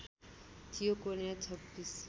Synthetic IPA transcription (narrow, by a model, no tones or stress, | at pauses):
t̪ʰijokonjat͡sʰʌbːis